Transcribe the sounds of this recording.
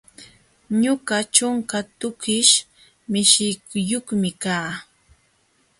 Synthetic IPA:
ɲʊɢat͡ʃʊŋkat̪ʊkɪʃ | mɪʃɪkʊjoχmɪkaː

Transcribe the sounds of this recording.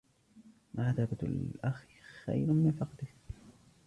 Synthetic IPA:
mʔaʕaθabat̪a̰lʔax | xa̰jɾʊmɪnfɑqd̪ɪh

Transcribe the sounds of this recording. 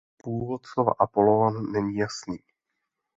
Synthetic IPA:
puːvo̞t̪slova̰ʔapo̞loanːɛɲiːjasniː

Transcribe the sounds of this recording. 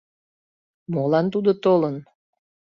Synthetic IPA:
molɑnt̪ud̪ot̪olən

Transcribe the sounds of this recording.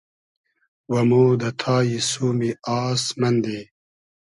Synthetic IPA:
wɐmoːd̪ɐt̪ʰaːjisuːmiaːsmɐnd̪eː

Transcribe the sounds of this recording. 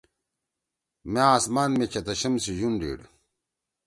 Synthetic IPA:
meaːsmaːnmekʰɐt̪ɐɕɐmsiʑunɖḭːɽ

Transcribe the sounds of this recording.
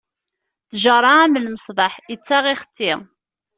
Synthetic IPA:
θʒəɾˤɑæməlməsˤbɑħət͡sːæʁiχə̥t̪ːɪ

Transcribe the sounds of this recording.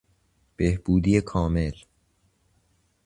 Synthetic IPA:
b̥ehb̥uːd̪ijekʰɒːme̞l

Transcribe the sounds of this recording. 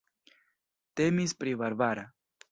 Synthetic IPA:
t̪emispɾiβaɾbaɾa

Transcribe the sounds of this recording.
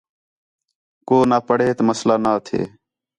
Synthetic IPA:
koːnaːpəɽ̤eːt̪məslaːnaːt̪ʰḛː

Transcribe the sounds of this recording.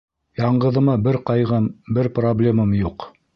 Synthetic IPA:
jɑɴɢɤ̆ðɤ̆mɑbɘɾqɑjʁɤmbɘɾproblʲemamjuq

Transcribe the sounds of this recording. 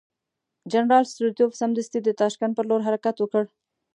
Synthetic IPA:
d͡ʒanɾɑlst̪ɾut̪ofsamd̪ast̪id̪ət̪ɑʃkand̪̚pəɾloɾɦaɾakat̪wəkəɽ

